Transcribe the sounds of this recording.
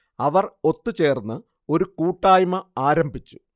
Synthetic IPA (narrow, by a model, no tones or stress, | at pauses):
ɐʋɐro̞t̪ːut͡ɕe̞ːrnːɨ | o̞ɾukuːʈːaːjmɐaːɾɐmbʱit͡ɕːu̥